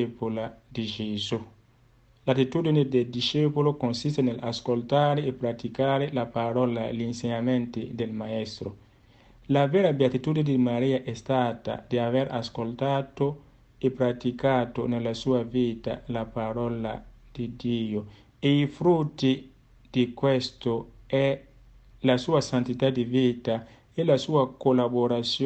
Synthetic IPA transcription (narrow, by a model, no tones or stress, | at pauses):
epolad̪id͡ʒezu | lat̪it̪ud̪ined̪eld̪iʃepolokonsis̬t̪enela̰skolt̪aːɾeːpɾat̪ikaːɾelapaɾɔlalinseɲament̪id̪elmaɛst̪ɾo | lavɛːɾabeat̪it̪uːd̪ind̪imaɾiːaʔɛst̪aːt̪a̰d̪iaveɾaskolt̪aːt̪o | epɾat̪ikaːt̪onelːasuːaviːt̪a̰lapaɾɔla̰d̪̥id̪iːo | eifɾut̪ːi | d̪̥ikwɛst̪oɛ | lasuːasant̪it̪ad̪iviːt̪a | elasuːakolaboɾat̪sj